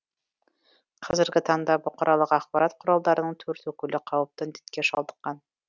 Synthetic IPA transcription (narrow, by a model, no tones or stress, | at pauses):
qæzɘ̆ɾɡɘt̪ɑnd̪ɑbŏqɑ̆ɾʔɑlˠɤqɑχbɑɾɑt̪qŏɾɑlˠd̪ɑɾɤ̆nɤɴt̪ʰʉɾt̪ʉkɵ̆lɘqɑwɤ̆p̚t̪ɤnd̪i̥t̪̚keʃɑlˠd̪ɤ̆qːɑn